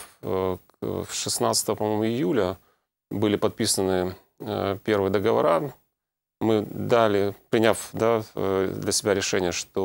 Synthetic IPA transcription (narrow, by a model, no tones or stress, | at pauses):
ʂɨsnat̪sə̥t̪əvəpɐmomʊɪjulʲə | bɨlʲɪpɐt̪̚pʲisənɨ | pʲe̞rvɨjəd̪əɡəvɐ̰ɾa | mɨd̪alʲɪpɾʲɪnʲafd̪ad̪lʲəsʲɪbʲæɾʲɪʂɛnʲɪjəʂt̪o